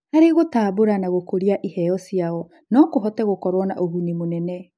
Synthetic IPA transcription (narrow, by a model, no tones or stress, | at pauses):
haɾeɣotaːboɾanaɣokoɾiaʔihɛɔsiaɔ | nɔkoɦɔtɛɣokɔɾwɔna̰ʔoɣunimonɛnɛ